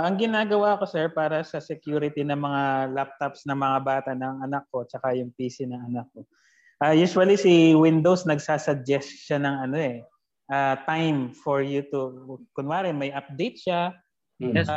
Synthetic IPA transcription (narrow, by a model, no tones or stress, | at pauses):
ʔɐŋɡɪnaːɡɐwaʔɐko̞sɛɹpaːɾɐsɐsɛkjuːɾɪt̪inɐŋmɐŋalap̚t̪opsnɐŋmɐŋabaːt̪ɐʔnɐŋʔɐnɐkːo̞t͡ʃɐkajʊŋpiːsɪnɐŋɐnak̚ːo̞ | ʔajuːʃwɐlisiwɪnd̪owsnɐɡsaːsɐɡ̚d͡ʒɛst̪ʃanɐŋɐno̞ɛ | ʔat̪ajmfoɹjut̪ukʊnwaːɾɪmɐjʔɐp̚d̪ɛjt̪̚ʃa